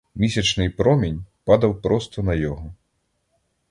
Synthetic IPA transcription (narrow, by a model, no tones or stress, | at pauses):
mʲisʲɐt͡ʂnɨjpɾɔmʲenʲpad̪ɐwpɾɔst̪ɔnɐjɔɣɔ